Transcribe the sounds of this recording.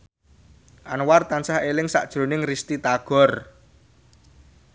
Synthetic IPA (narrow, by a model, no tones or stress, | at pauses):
ʔanwart̪ansahelɪŋsa̰ʔd̥ʒ̥ɾo̤nɪŋrist̪it̪aɡ̥ɔ̤r